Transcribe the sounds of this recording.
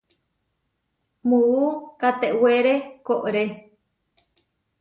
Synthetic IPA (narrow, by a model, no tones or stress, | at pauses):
muukat̪eʔweɾekoʔɾe